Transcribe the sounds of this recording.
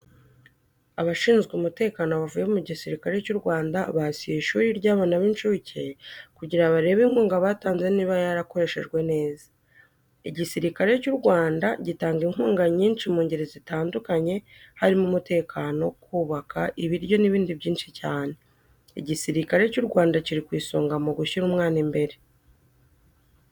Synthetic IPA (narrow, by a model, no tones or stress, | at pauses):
aβaʃiːnzɡumute̞ːkanoβavujemuɟisiɾikaɾe̞cuɾɡwaːndaβasieʃuːɾiɾɟaːβaːnaβinʃucʰekuɟiɾaβaɾe̞βeŋ̥uːŋɡaβaːtaːnze̞niːβajaɾako̞ɾe̞ʃe̞̰ʒɡwe̞ne̞ːzḁ | iɟisiɾikaɾe̞cuɾɡwaːndaɟitaːŋɡiŋhuːŋɡaɲiːnʃimuːɲɟeɾezitaːndukaɲe̞haɾimumute̞ːkʰaːno̞kuːβakʰaʔiβiɾjo̞niβiːndiβɟiːnʃicaːne̞ | ḭɟisiɾikaɾe̞cuɾɡwaːndaciɾikwiːsoːŋɡamuɡuçiɾuːmŋaːnimbe̞ɾe̞